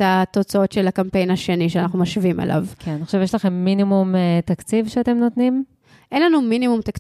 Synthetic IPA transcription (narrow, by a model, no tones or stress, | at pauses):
at̪o̞t͡sao̞tʃelakampe̞jnaʃe̞niʃeanaχnumaʃviimʔḛlʔa̰vkʰenaniχoʃevjeʃlaχe̞mːinimumet̪akt͡sivʃeat̪e̞mno̞t̪nim | ʔenlanuminimumt̪ak